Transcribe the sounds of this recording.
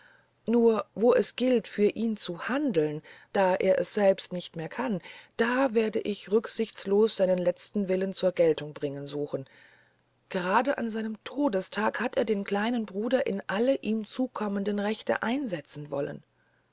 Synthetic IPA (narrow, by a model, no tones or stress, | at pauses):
nuːɐvoːʔɛsɡ̥ɪltfyːɐʔiːnt͡suhandl̩nd̥aːʔḛːɐʔɛsz̥ɛlpstnɪçtmeːɐkʰand̥aːveːɐdəʔɪçʁʏkz̥ɪçt͡sloːsz̥aɪnənlɛt͡stn̩vɪlənt͡suːɐɡɛltʊŋbʁɪŋənzuːxn̩ | ɡ̥əʁaːdəʔa̰nzaɪnəmtʰoːdəstʰaːkhateːɐdeːnkʰl̥aɪnənbʁuːdɐʔɪnʔaləʔiːmt͡suːkʰɔməndənʁɛçtə̰ʔaɪnzɛt͡sn̩vɔ̰lə̰n